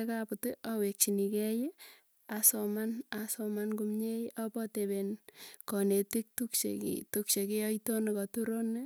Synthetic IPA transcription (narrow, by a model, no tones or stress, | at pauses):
ekaputɪʔawek̚t͡ʃinikɛj | asɔmanasɔmankumɲejʔapɔtebenkɔnetik̚tukt͡ʃḛkḭtuk̚t͡ʃekijɔitonekɔtuɾone